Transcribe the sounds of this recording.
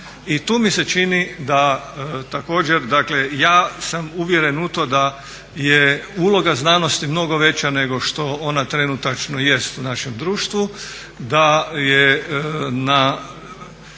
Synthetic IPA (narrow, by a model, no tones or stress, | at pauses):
it̪uːmiset͡ʃinid̪at̪ako̞ːd͡ʑeɾd̪akle̞jaːsamuʋjeɾenut̪od̪a | jeulˠo̞ɡaznaːno̞st̪imno̞ɡo̞ʋe̞t͡ɕjane̞ɡo̞ʃt̪o̞onat̪ɾenut̪at͡ʃnoje̞st̪unaʃemd̪ɾuːʃt̪ʋu | d̪aje | na